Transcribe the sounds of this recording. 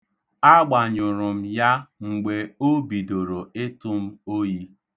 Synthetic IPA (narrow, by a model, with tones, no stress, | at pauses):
a˦ɡ͡ba˨ɲʊ˨ɾʊ˨m̩˦ja˦ŋ͡m̩˨ɡ͡be˨o˦bi˨do˨ɾo˨ɪ˦tʊ˦m̩˦o˦ji˦